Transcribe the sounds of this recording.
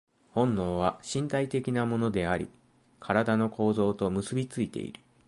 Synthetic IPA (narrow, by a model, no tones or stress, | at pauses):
hõ̞nːo̞ːβ̞aɕĩnt̪ait̪e̞kʲinamo̞no̞d̪e̞aɾʲḭ | kʰaɾad̪ano̞ko̞ːzo̞ːt̪o̞mɯ̟sɨbʲit͡sɨit̪e̞̰ḭɾɯ̟